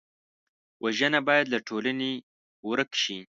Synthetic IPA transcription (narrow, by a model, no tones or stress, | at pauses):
wʔaʒənabɑjad̪laʈʰolane | wɾəkʃi